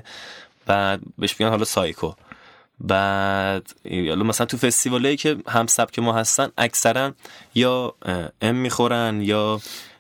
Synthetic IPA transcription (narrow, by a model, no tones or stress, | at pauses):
b̥æd̪̚be̞ʃmeiɡɟænhɒlɒsɒːjkʰo | bæd̪̥hɒ̰lɒmæsælænt̪ʰufe̞st̪ivɒːlɒiːcʰe̞hæmsæb̥cʰe̞mɒːɦæst̪ænʔæcʰsæɾænjɒːemːiːxo̞ɾænjɒː